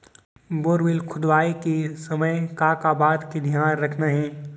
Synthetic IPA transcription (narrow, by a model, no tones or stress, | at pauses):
boːɾʋɪlkʰʊd̪ʋaːikesɐməjkaːkaːbaːd̪kid̪ʱjaːnɾɐkʰnaɦɛ̃ː